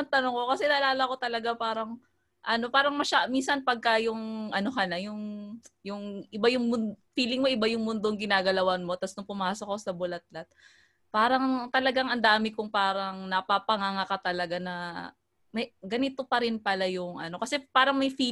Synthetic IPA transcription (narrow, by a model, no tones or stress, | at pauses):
ɐnt̪ɐnoŋkokɐsɛnɐʔlaːlɐko̞t̪ɐlɐɡapaːɾɐŋ | ʔɐno̞paːɾɐŋmɐʃaminsɐnpɐɡ̚kajʊŋʔɐno̞hɐnɐjʊŋjʊŋʔɪbajʊŋmʊndfiːlɪŋmo̞ʔɪbajʊŋmʊnd̪oŋɡɪnaːɡɐlɐwɐnmo̞t̪ɐsnʊŋpʊmaːsok̚ɐosɐbʊlɐt̪̚lɐt̪̚ | paːɾɐŋt̪ɐlɐɡaŋɐnd̪aːmɪkʊŋpaːɾɐŋnɐpapɐŋaŋakat̪ɐlɐɡanɐ | mɐjɡɐnɪt̪o̞pɐɾɪnpɐlajʊŋʔɐ̰no̞kɐsɛpaːɾɐŋmɐjfi